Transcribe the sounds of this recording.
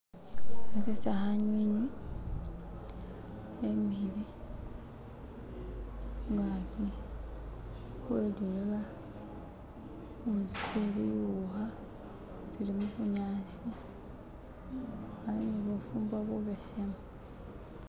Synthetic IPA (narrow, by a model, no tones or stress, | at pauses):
ekesaxaɲwiɲi | emihili | ŋɡaki | xweluleβa | uit͡seβijuxa | tilimukuɲaːt͡si | aβiniβufuːmbwaβuβesemu